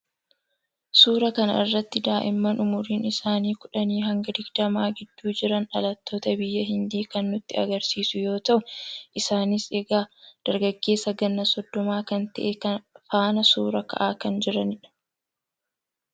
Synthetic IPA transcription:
suːɾɐkɐnɐɪrːɐt̪ːɪd̪aːʔɪmːɐnʔʊmʊɾiːnɪsaːniːkʊᶑɐniːɦɐŋɡɐd̪ɪɡd̪ɐmaːɡɪd̪̥ːuːd͡ʒɪɾɐnɐlɐt̪ːo̞ːt̪ɐbɪjːɐɦɪnd̪iːkɐnːʊt̪ːɪɐ̰ɡɐɾsiːsʊjo̞ːt̪ɐʔʊʔɪsaːnɪseːɡaːd̪̥ɐɾɡɐɡːe̞ːsːɐɡɐnːɐsɔd̪ːɔmaːkɐnt̪ɐʔekɐnfaːnɐsuːɾɐkɐ̰ʔaːkɐnd͡ʒɪɾɐnɪᶑɐ̥

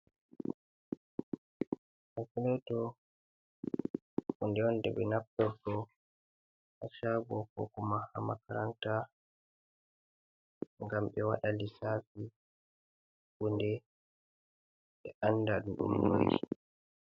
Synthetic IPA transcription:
hakulɛtɔ | ʔundɛɔndɛ̰ɓɛnapːɛɾkɔ | ʔaʃabɔkɔ̰kɔmaha̰makaɾanta | ŋɡamɓɛwaɗalisaːfi | kundɛ | ɓɛʔanːdaɗuɗṵmno̰d͡ʒḭ

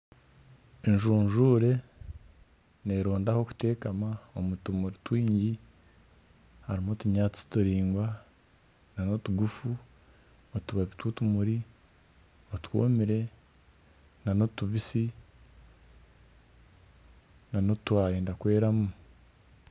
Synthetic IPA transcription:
eɲʒuːnʒuːɾe̞ | ne̞ːɾo̞ːndaho̞ku̥te̞ːkamaomutumuɾitwiːɲɟi | haɾimotuɲaːt͡si̥tuɾiːŋɡwa | nano̞tuɡufu | otuβaβitwutumuɾi | otwo̰ːmiɾe̞ | nano̞tuβisi | nano̞twaːjeːndakwe̞ːɾamu

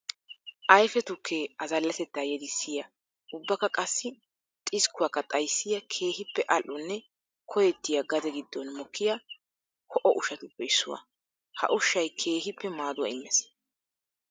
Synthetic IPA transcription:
ʔɐjfɛt̪ʊkʰːeːɐzɐlːɐsɛt̪ːaːjɛd̪ɪsːɪjɐ | ʊbːɐkːɐkʼɐsːɪ | t̪ʼɪskʊwɐkːɐt̪ʼɐjsːɪjɐkʰe̞ːhɪpːɛʔɐlʔːɔnːɛ | kʰɔjɛt̪ːɪjɐɡɐd̪ɛɡɪd̪ːɔnmɔkʰːɪjɐ | kʰɔʔɔʔʊʃɐt̪ʊpːɛɪsːʊ̰wɐ̰ | hɐ̰ʔʊʃːɐjkʰe̞ːɦɪpːɛmaːd̪ʊwɐ̰ɪmːɛs

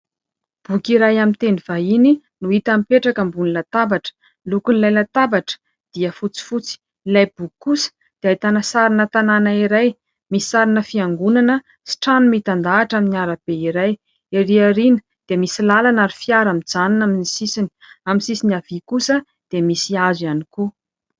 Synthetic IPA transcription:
b̥ukiɾajamint̪eniv̥aini | nuit̪amipeʈ͡ʂakəmbunilat̪abaʈ͡ʂə̥ | lukunilajlat̪abaʈ͡ʂə̥ | d̪̥iəfut͡si̥fut͡si̥ | ilajbukusə̥ | d̪̥eajt̪anasaɾinət̪ananaiɾaj | misi̥saɾinəfiaŋɡunanə | si̥ʈ͡ʂanumit̪and̪aːʈ͡ʂaminiaɾab̥eiɾaj | eɾiaɾinə̥ | d̪̥emisilalanaɾifiaɾamid͡zaninaminisisini̥aminsisiniav̥ikusə | d̪̥emisiazianiku

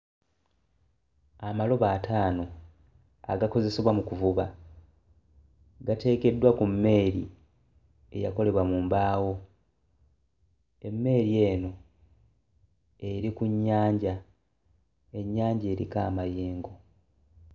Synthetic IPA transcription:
amalo̞βaːtʰaːno̞ | a̰ɡako̞ze̞seβwamukuvuβa | ɡate̞ːke̞dːwakumːe̞ːɾḭ | e̞̰jako̞le̞βwamuːmbaːwo̞ | e̞mːe̞ːɾie̞ːno̞ | eɾikuɲːaːɲɟa | e̞ɲːaːɲɟe̞ːɾḭka̰ːmaje̞ːŋɡo

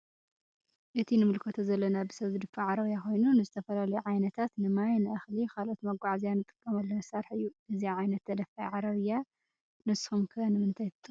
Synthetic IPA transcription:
ʔɨt̪ʰinɨmɨlkʰot̪ʰozɐlːɐnabɨsɐβzɨd̪ɨfːaʕaɾɐβɨjːakʰo̞jnunɨzɨt̪ʰɐfɐlalɐjuʕajnɐt̪ʰat̪nɨmajnɨʔaxlikʰalʔo̞t̪mɐɡʷaʕzijanːɨt̪ʼɨ̥kʼːɐmɐlːɐnɐsɐɾħɨjːuʔɨziʕajnɐt̪ːʰɐd̪ɐfajʕaɾɐβɨjːa | nɨshumkʰɨɐnɨmɨnt̪ʰajt̪ʰɨt̪ʼːɨ

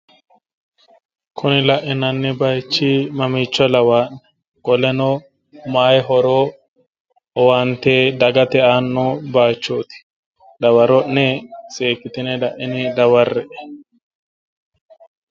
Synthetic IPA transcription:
kʰʊnɪlɐʔɪnɐnːɛbɐjt͡ʃːimɐmiːt͡ʃːɔlɐwaːʔnɛ | ɡ̥ɔlɛnɔ | maːjɦɔɾoː | ɔwant̪eːd̪ɐɡɐt̪ɛʔaːnːɔbaːt͡ʃːoːt̪ɪ̥ | d̪ɐwɐɾɔʔnːɛseːkːɪt̪ɪnɛlɐʔɪnɪd̪ɐwɐrːɛʔɛ̥

